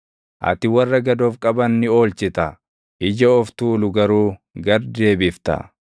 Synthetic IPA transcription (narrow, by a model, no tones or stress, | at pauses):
ʔɐ̰t̪ɪwɐrːɐɡɐd̪o̞ːfkʼɐbɐnːɪo̞ːlt͡ʃɪt̪ɐ | ʔɪd͡ʒɐɔft̪uːlʊɡɐɾuː | ɡɐɾd̪e̞ːbɪft̪ɐ̰